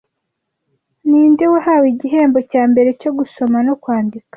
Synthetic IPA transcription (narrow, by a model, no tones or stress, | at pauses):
niːndewahawiɟiɦe̞ːmbo̞caːmbe̞ɾe̞co̞ɡuso̞mano̞kwaːndikḁ